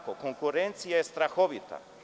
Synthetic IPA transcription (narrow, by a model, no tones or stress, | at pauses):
kokoŋkuɾent̪sijaest̪ɾaxoβit̪a̰